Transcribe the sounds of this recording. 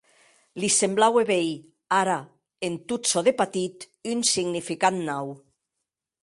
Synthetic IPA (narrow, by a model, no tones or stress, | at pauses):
lisemblaweβej | aɾa | ent̪utsoðepat̪it̪ | ynsiɡnifikannaw